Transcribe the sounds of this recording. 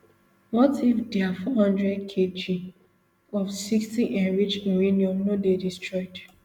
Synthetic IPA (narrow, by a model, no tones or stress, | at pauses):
wɔtifdeafɔɦãndɹɛd̚kʰed͡ʒi | ɔfsikstiʔɛ̃nɹit͡ʃ̩ɾiniɔ̃mnodedistɹɔɪd